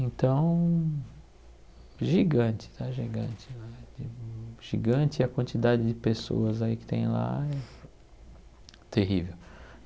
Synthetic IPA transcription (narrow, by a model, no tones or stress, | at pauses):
ẽnt̪ɐ̃w̃ | ʒiɡɐ̃t͡ʃɪ̥t̪ʰaʒiɡɐ̃t͡ʃɪ̥ad͡ʒiʒ̥iɡɐ̃nt͡ʃɪɐkwɐ̃nt͡ʃid̪ad͡ʒɪd͡ʒɪpeso̰ɐzaikɪ̥t̪ḛ̃j̃la̰ɛ | t̪eɦivew